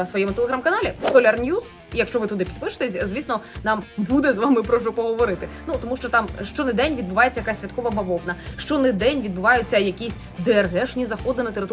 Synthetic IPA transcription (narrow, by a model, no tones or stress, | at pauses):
sʋɔjɛmʊt̪eleɦɾamkɐnɑlʲikɔlʲɐrnʲjuz̥ | ijɐkʃt͡ʃɔʋɪt̪ʊd̪ɪpʲid̪pɪʃɪ̥t̪ɛsʲzʲʋʲisnɔnɑmbud̪ɛzʋamɪpɾɔʒʊpɔɦɔʋɔɾɪt̪ɪnut̪ɔmuʃt͡ʃɔt̪ɑmʃt͡ʃɔnɐd̪ɛnʲʋʲid̪̚bʊʋajet͡sʲɐjɐkasʲʋʲɐt̪̚kɔʋɐbɐʋɔʋnɐʃt͡ʃɔnɛd̪ɛnʲʋʲid̪̚bʊʋɑjʊt͡sʲːɐjɐkʲisʲ | d̪ɛrɦɛʃnʲizɐxɔd̪ɪnɐt̪eɾɪt̪